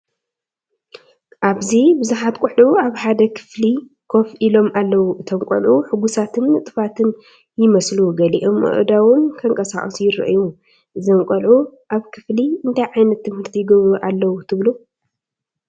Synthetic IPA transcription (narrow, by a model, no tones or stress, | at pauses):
ʔaβzibɨzuħat̪kʷʼuħuaβħad̪ɐkʰɨ̥fli | kʰo̞fʔilo̞mʔalːɐwuʔɨt̪ʰɐmkʷʼɐ̰lʕuħɨɡusat̪ʰɨnːɨt̪ʼɨfat̪ʰɨn | jɪmɐsluɡɐlḭʔo̞mʔɨ̰ʔd̪awʊnkʰɐŋkʼɐsaχʼɐsujɪrɐ̰ʔju | ʔɨzɐmkʷʼɐlʕuʔaβkʰɨfliɨnt̪ʰajʕajnɐt̪ʰːɨmhɨɾt̪ʰijɪɡɐβɾuʔalːɐwut̪ʰɨβlu